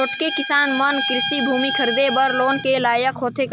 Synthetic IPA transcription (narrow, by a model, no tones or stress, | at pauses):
oʈkekɪsaːnmənkɾɪʃibʱuːmikʰəɾid̪ebəɾloːnkelaːjəkʰoːt̪ʰek